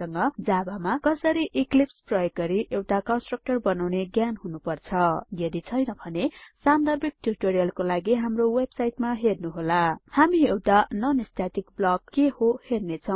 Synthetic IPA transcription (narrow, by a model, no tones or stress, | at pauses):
ʌŋɡʌd͡zabamakʌsʌɾiʔiklipsprʌjʌɡːʌɾiʔewʈakʌnsʈrʌk̚ʈʌrbʌnawneɡjanɦunupʌrt͡sʰʌjʌd̪it͡sʰʌjnʌbʱʌnesand̪ʌbik̚ʈuɾiʈoɾijʌlkolaɡiɦamrowebsajʈmaɦernuɦolahamiewʈanʌnist̪at̪ikblʌɡ̚kːehohernet͡sʰʌw̃